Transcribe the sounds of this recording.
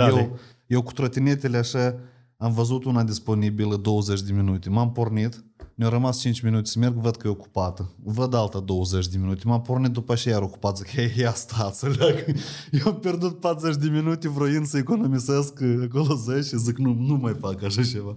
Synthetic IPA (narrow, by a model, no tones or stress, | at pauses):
e | jewku̥t̪ɾot̪inet̪eleaʃa | amvəzut̪unad̪ispo̞nibiləd̪o̞wəzet͡ʃʲd̪eminut̪emampornit̪nʲawɾəmast͡ʃint͡ʃʲminut̪esəme̞rɡvəd̪̚kəjeoku̥pat̪əvəd̪alt̪ad̪owəzet͡ʃʲd̪eminut̪ʲemampornit̪̚d̪upəat͡ʃejajaɾoku̥pat̪sʲəkejeast̪ʰat̪səlʲaɡjewampʲje̞rd̪ut̪̚pat̪ɾzet͡ʃ̬ʲd̪eminut̪evɾojinsəekonomiseskak̬olozet͡ʃiziknunumajfakaʃat͡ʃe̞va